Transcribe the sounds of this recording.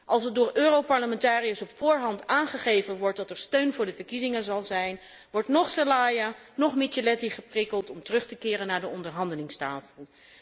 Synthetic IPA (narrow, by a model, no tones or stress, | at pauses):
ʔɑlˠs̬ət̚dʊːɹʔøːrowpɑɹləmɛntaːriəsɔpfʊːɹɦɑntaːnχəχejvənʋɔɹt̚dɑtɛɹstøɥnvʊːɹdəvəɹkizɪŋəzɑlˠzɛjn | ʋɔɹtnɔχsalaːja | nɔχmit͡ʃəlɛtiχəprɪkəlˠtɔmtərɵχtəkɪːrənːaːɹdəɔndəɹɦɑndəlɪŋstaːfəlˠ